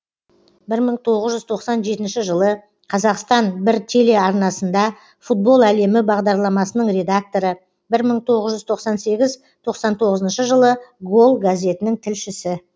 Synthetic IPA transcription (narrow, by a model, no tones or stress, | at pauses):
bɪɾməɴt̪ʰo̞ʁəzʒʏzt̪ʰo̞qsɑnʒe̞t̪ɪnʃɪʒəlˠə | qʰɑzɑqst̪ɑnbɪɾt̪ʲʰe̞le̞ɑɾnɑsənd̪ɑ | fut̪̚bo̞lˠæle̞mɪbɑʁd̪ɑɾlˠɑmɑsənəɴre̞d̪ak̚t̪o̞ɾə | bɪɾməɴt̪ʰo̞ʁəzʒʏzt̪ʰo̞qsɑnse̞ɡʲɪz | t̪ʰo̞qsɑnt̪ʰo̞ʁəzənʃəʒəlˠəɡo̞lˠɡazʲe̞t̪ɪnɪŋt̪ʰɪlʃɪsɪ